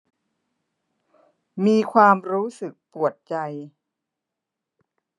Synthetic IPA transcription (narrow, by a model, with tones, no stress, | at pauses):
miː˧kʰwaː˧mɾuː˦˥sɯ˨˩k̚pu˨˩ət̪̚t͡ɕa˧j